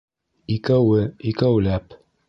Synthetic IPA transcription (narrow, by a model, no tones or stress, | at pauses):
ikæwɘikæwlæp